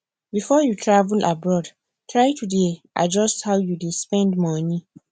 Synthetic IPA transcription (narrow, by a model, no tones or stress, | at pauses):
bifɔjutʰɹavlʔabɹɔd | tʰɹajtʰudeʔa̰d͡ʒɔsthawjudespɛ̃ndmɔni